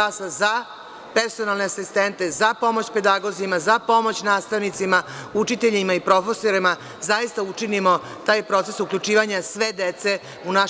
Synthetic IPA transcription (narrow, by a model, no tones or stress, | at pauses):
asaza | peɾso̞nalˠne̞asist̪ent̪ezapo̞mot͡ɕpe̞d̪aɡo̞zimazapo̞mo̞t͡ɕnaːst̪aʋnit̪simaut͡ʃit̪eʎimaipɾo̞feso̞ɾima | zajist̪aut͡ʃinimo̞ | t̪aːjpɾo̞t̪se̞suklʎut͡ʃiːʋaɲasʋed̪et̪se | una